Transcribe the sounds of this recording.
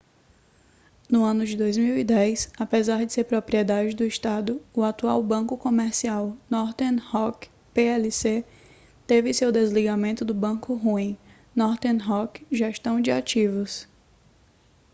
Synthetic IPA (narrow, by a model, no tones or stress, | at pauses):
nʊɐ̃nʊd͡ʒɪd̪ojzmiwid̪ɛjsapezaɾd͡ʒɪseɾpɾopɾiɛd̪ad͡ʒɪd̪ʊiʃt̪ad̪ʊʊat̪uawbɐ̃kʊkõmeɾsiawnɔɾt̪ehɔk | peɛlise | t̪evɪsewd̪ezliɡamẽnt̪ʊd̪ʊbɐ̃kʊɦuĩ | nɔɾt̪eɦɔkʒeʃt̪ɐ̃w̃d͡ʒɪat͡ʃivʊs